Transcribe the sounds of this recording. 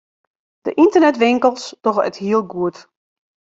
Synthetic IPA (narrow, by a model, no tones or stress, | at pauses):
d̥ə̰ʔintərnɛtʋɪŋkəlˠstɔxə̰thiəlˠɡuət